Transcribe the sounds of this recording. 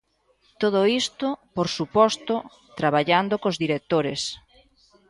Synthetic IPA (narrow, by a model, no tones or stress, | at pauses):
t̪oðoist̪ʊpoɾsupɔst̪ʊ | t̪ɾaβaʎand̪okozðiɾek̚t̪oɾes